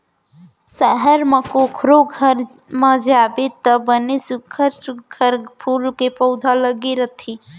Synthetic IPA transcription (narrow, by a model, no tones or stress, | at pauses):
səɦəɾmə̃kokʰɾoɡʱəɾ | mãd͡ʒabet̪əbənisukʰət͡ʃkʰəɾpʰuːlkepəʊd̪ʱaləɡiɾət̪ʰi